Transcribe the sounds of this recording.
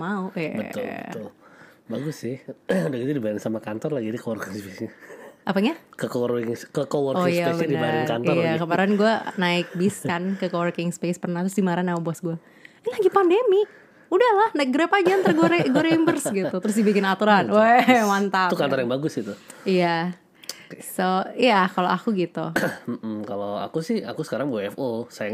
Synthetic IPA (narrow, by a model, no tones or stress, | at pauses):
maua̰bə̰ʊ̰ət̪ʊl | baɡʊsːɪhudahkit̪udibaaɾɪnsamakant̪ɔrlaɡidikəwɔrkɪŋspesɲaʔapaɲakəkəwrɪŋskəkəwɔroŋjsapesbɲadibaɾɪnkant̪ɔjaakəmaɾanɡuanaɪk̚biskankəkəwərkɪŋspespərnaht̪ɾʊsdimaɾanaubuasɡua | ɛlaɡipandemɪk̚ | udahlahnak̚ɡɾapaɡiant̪ərɡoɾɛɡoɾembərsɡit̪ut̪əɾʊs̬dibikɪnat̪uɾanwɛmant̪at̪ukant̪ɔrjaŋbaɡʊsɡit̪uija | soijakaloakuɡit̪um̩m̩kaloa̰kusɪha̰kusə̥kaɾaŋbɛfosajaŋ